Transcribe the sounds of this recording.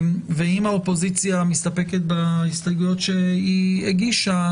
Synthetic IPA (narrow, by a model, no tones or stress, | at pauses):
mveimaopo̞zit͡sjamist̪apeket̪̚baist̪aɡujot̪ʃeieɡiʃa